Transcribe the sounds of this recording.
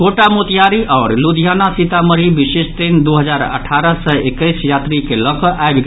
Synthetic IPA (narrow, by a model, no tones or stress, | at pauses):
koʈamot̪ijaɾiʔaʊɾlud̪ʱijanasit̪aməɾibisest̪ind̪uɦəd͡ʒaɾə̰ʈʰaɾəsəekəɪsjat̪ɾikelɔkɔʔaebɡ